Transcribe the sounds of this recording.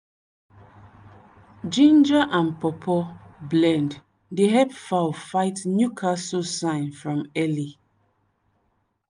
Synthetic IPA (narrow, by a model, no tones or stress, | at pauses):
d͡ʒĩnd͡ʒaʔãnpɔpʰɔblɛ̃nd | deɦɛpfafaɪtnjukʰasɔsãɪ̃nfɹɔ̃mɛli